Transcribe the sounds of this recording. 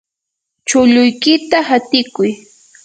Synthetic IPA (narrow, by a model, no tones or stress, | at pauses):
t͡ʃʊʎʊjkɪt̪ahat̪ɪkʊj